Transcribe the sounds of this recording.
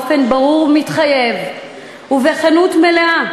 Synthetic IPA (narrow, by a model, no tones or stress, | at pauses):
fe̞nbaʁuʁmitχaje̞v | uveχanutme̞lea